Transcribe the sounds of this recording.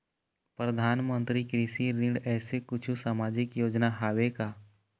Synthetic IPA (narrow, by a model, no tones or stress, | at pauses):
pɾəd̪ʱaːnmə̃nt̪ɾikɾiːʃiɾɪ̃ɖɛːsekʊt͡ʃʰusaːmaːd͡ʒɪkjoːd͡ʒnaɦaːwekaː